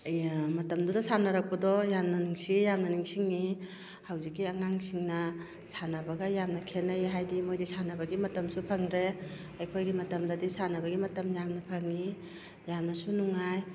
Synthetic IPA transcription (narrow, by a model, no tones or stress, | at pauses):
mɐtɐmdudasanaɾak̚padɔjamnanuŋsijamnɐnuŋsiŋi | hawzikːiaŋaŋsiŋnɐ | sanabaɡajamnɐkʰenajɦajdimojdisanabaɡimɐtɐmsupʰaŋdɾe | ajkʰojɡimɐtɐmdadisanabaɡimɐtɐmjamnɐpʰaŋːi | jamnasunuŋaj